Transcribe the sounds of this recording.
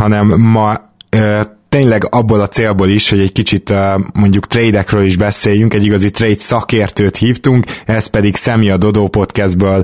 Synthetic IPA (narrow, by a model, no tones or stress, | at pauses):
hɒnɛmːɒ | øːt̪eːɲlɛɡɒbːolɒt̪seːlboːliʃho̞ɟɛckit͡ʃit̪ømo̞ɲɟukt̪reːjd̪ɛkrøːliʒbɛseːjyŋkɛɟːiɡɒzit̪rejt̪sɒkeːrt̪øːt̪hiːft̪uŋkɛspɛd̪iksɛmiɒd̪o̞d̪oːpo̞t̪kɛzd̪̚bøːl